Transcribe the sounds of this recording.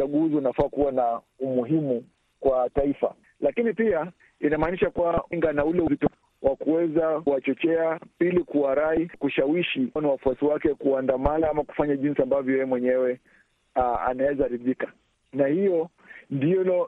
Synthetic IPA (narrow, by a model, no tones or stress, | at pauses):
aɠuziunafakuwana | umuɦimu | kwataifa̰ | lakinipia | inamaːniʃakuŋɡanaulɛuvitɔ | wʔakuwɛzauwat͡ʃɔt͡ʃɛapilikuwaɾaikuʃawiʃiniwafuasiwakɛkuandamanaamaku̥faɲaʄinsiambavjɔjɛɛmwɛɲɛwɛ | a̰nawɛzaɾiðika | nahijɔ | ndiɔlɔ